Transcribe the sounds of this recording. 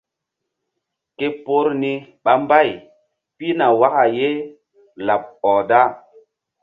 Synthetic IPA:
ke˦po˦ɾni˦ɓa˨mba˦˨j | pi˦na˨wa˦ka˨je˦ | la˨p̚ɔ˨da˦

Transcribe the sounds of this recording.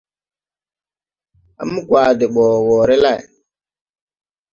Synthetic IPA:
a̰˨˦mu˦ɡwaː˨de˨ɓoː˨woː˨ɾe˦la˦˨j

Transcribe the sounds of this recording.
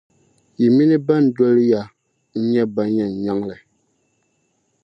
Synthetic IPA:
i˨mi˦ni˦ba˦n̩˨˦dɔ˦lja˦ | ɲ̩˦ɲɛ˦ba˦ɲɛ˨n˨ɲa˦ŋlɛ˨

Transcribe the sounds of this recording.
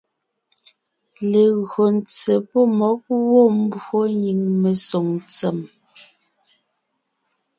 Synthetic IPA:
le˨ɣɰo˨n̩t͡se˨pɔ˦˨mɔ˨˦k̚wo˦˨m̩˦bo˦ɲi˨ŋme˨so˨ŋt͡se˨m

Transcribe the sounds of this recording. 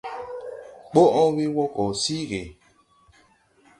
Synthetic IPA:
k͡po˦ʔɔ̃˦wi˦wɔ˦kɔ˨si˦ɣe˨

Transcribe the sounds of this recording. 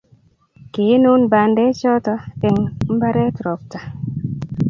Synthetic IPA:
ki˨˦nu˦nba˨ndɛ˦t͡ʃɔ˦tɔ˦e˨ŋm̩˦ba˦ɾɛ˦tɾɔ˨p̚ta˨

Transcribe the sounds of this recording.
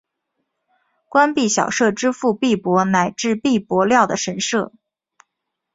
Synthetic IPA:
kwa˥npi˥˩ɕjɑ˨˩ʊʂɤ˥˩ʈ͡ʂɻ̩˥fu˥˧pi˥˩pwɔ˧˥na˨˩ɪʈ͡ʂɻ̩˥˧pi˥˩pwɔ˧˥ljɑ˥˩ʊd̪ə˩ʂə˧˥nʂɤ˥˩

